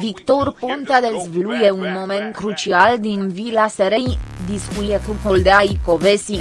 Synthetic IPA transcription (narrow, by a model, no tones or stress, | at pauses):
vikt̪orpont̪ad̪ezvlujeunmo̞mẽ̞nt̪̚kɾut͡ʃiald̪invilaseɾejd̪iskuijekukold̪eajko̞vesi